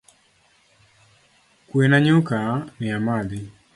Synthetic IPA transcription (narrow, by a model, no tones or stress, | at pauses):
kwenaɲʊkanɪamadɪ